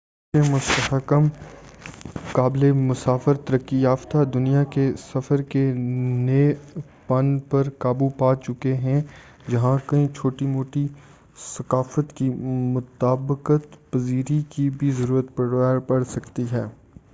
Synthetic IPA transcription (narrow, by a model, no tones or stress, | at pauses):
emʊst̪əɦəkəm | kaːblemʊsaːfəɾt̪ɐɾəkːijaːft̪ad̪ʊnijakesɐfəɾkeneː | pɐ̃npɐɾkaːbupaːt͡ʃʊkeɦɛ̃ | d͡ʒɐɦãkɐĩt͡ʃʰoːʈimoːʈi | sɐkaːfət̪kimʊt̪aːbəqət̪pɐziːɾikibʱizɐɾuːɾət̪pɐɽaːpɐɽsɐkt̪iɦɛː